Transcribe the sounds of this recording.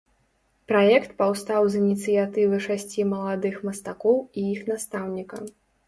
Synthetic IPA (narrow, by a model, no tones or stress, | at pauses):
pɾajɛkt̪pawst̪awzinʲit̪sɨjat̪ɨvɨʂasʲt͡sʲimɐlˠad̪ɨxmɐst̪akɔwijixnast̪awnʲikɐ